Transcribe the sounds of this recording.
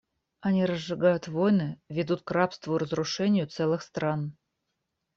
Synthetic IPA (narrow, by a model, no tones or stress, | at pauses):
ɐnʲiɾəzʐɨɡajʊt̪vojnɨvʲɪd̪ut̪kɾapst̪vʊɾəzɾʊʂɛnʲɪjʊt̪sɛlˠɨxst̪ɾan